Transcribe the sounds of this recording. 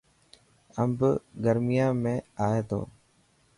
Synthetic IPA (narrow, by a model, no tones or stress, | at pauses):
əmbɡəɾmɪjãːmẽːaːeːt̪o̰ː